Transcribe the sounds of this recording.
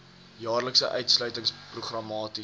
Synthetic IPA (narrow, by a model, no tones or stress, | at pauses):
jɑːrləksə̰ʔœɥtslœɥtəŋspruχrɐmɑːti